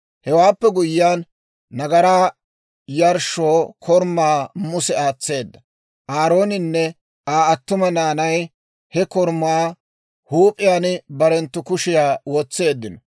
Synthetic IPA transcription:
hɛwaːpːɛɡʊjːaːnː | ɐɡɐɾaː | jɐɾʃoːkʰɔɾmːaːmʊsɛaːt͡sːe̞ːd̪ːɐ | ʔaːɾo̞ːnɪnːɛ | aːɐt̪ːʊmɐnaːnɐj | hɛkɔɾmaː | huːpʼɪjaːnbɐɾɛnt̪ːʊkʊʃɪjaːwoːt͡sːe̞ːd̪ːɪnɔ

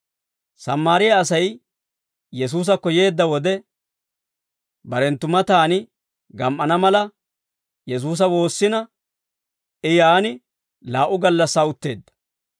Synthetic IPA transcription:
sɐmːaːɾɪjaːs̬ɐj | jɛs̬uːs̬ɐkːɔje̞ːd̪ːɐwɔd̪ɛ | bɐɾɛnt̪ːʊmɐt̪aːnɪ | ɡɐmʔːɐnɐmɐlɐ | jɛs̬uːs̬ɐwo̞ːsːɪnɐ | ɪjaːnɪ | laːʔʊɡɐlːɐsːaːʊt̪ːe̞ːd̪ːɐ̥

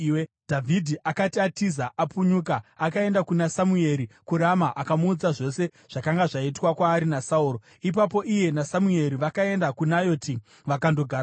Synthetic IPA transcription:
d̥ʱavʱidʱiʔakatiatizaʔapuɲukaːkae̞ndakunasamue̞ɾikuɾamaʔakamuːd͡zaʐo̞se̞ | ʐ̥akaŋɡaʐaitwakwaːɾinasauːɾo | ip̬apo̞ʔije̞nasamue̞ɾiʋakae̞ndakunajo̞ti | ʋakando̞ɡʱaːɾa

